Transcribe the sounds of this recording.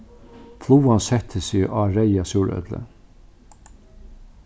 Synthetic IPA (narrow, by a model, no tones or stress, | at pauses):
flˠuːansɛt̪ʰəsɪaːɾɛjasʊːɹœ̰t̪lə̰